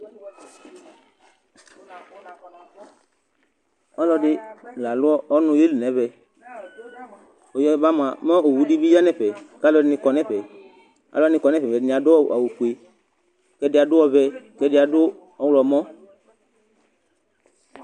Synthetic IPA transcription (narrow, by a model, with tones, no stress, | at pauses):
ɔ˦lɔ˧dɪ˦la˨lʊ˦ɔ˦ʔɔ˦nũ˧je˦li˨nɛ̃˨˦βɛ˨ | o˨jɔ˦ba˦mã˨mɛ̃˦o˨wu˨di˦bi˦ja˦nɛ˨ɸɛ˨ka˦lɔ˧nĩ˧kɔ˧nɛ̃˦ɸɛ˨ | a̰˨lɔ˦nɪ̃˧kɔ˧nɛ̃˦ɸɛ˨ɛ˨˦n˨a˨dʊ˦ɔ˦˨a˨wu˨ku˨e˨ | kɛ˧˦dɪ˧˦a˨dʊ˦ɔ˧vɛ˧kɛ˧dɪ˧˦a˨dʊ˦ | ɔ˦wlɔ˧˨mɔ̃˦